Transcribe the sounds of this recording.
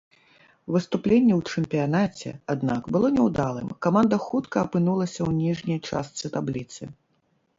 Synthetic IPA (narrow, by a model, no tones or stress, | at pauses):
vɨst̪uplʲenʲːɛwt͡ʂɨmʲpʲijanat͡sʲɛ̰ad̪nakbɨlˠɔnʲɛwd̪alˠɨ̰mkamand̪ɐxut̪kɐːpɨnulˠɐsʲɐwnʲiʐnʲɐjt͡ʂa̰st̪sɨt̪ablʲit̪sɨ